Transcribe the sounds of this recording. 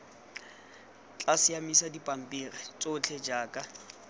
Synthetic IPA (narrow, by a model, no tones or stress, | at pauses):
t͡ɬʼasɪjamisadipʼam̩pʼiːrɪt͡sʼʊt͡ɬʰed͡ʒaːkʼa